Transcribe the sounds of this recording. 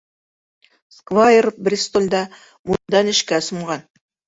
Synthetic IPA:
skvajerfbɾʲist̪olʲd̪ɑ | mund̪ɑnɪ̆ʃkæsə̆mʁɑn

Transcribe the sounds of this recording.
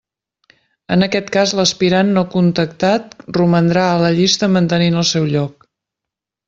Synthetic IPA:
ənəkɛt̪kazləspiɾanːokunt̪ək̚t̪at̪̚rumənd̪ɾaələʎist̪əmənt̪əninəlˠsɛwʎɔk

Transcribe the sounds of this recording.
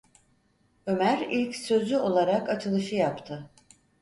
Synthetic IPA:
ø̞mæɾilʲcsø̞zyo̞lˠaɾakat͡ʃʰɯlˠɯʃɯjapt̪ʰɯ

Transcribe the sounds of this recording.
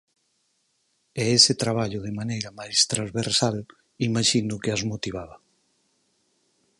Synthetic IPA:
ɛesɪt̪ɾaβ̞aʎʊðɪmanejɾɐmajst̪ɾazβeɾsal | imaʃinʊkeazmot̪iβ̞aβa

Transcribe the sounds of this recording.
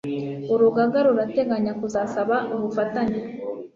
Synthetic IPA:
uɾuɡaɡaɾuɾate̞ɡaɲakuzasaβaʔoβufataɲa

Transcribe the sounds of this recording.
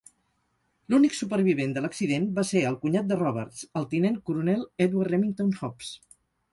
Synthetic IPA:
luniksupəɾβ̞iβ̞end̪ələksiðenbaseəlˠkuɲat̪̚d̪ərɔβ̞əɾsəlˠt̪inenkuɾunɛlˠɛd̪waɛmiŋt̪onhɔps

